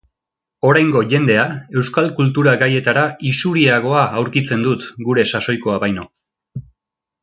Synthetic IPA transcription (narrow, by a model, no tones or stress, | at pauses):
o̞ɾajŋɡo̞ʝe̞nd̪e̞ae̞wskalkult̪uɾaɡaje̞t̪aɾaisuɾiaɣ̞o̞aːwɾkit͡se̞nd̪ut̪ɡuɾe̞saso̞jko̞aβajno̞